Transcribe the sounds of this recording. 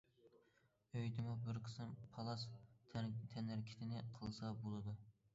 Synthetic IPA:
øjd̪ɪmʊbɪɾqʰə̥sɨmpʰɑlˠɑsʰ | t̪ʰɛnɪɾkʲʰi̥t̪ʰɪnɪqʰəlˠsɑbolˠɨd̪u

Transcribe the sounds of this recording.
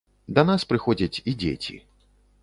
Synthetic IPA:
d̪ɐnaspɾɨxɔd͡zʲɐt͡sʲid͡zʲḛt͡sʲḭ

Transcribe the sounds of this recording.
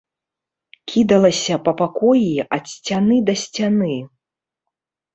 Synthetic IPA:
kʲid̪ɐlˠɐsʲɐpɐpakɔjiɐt̪sʲt͡sʲanɨd̪ɐsʲt͡sʲanɨ

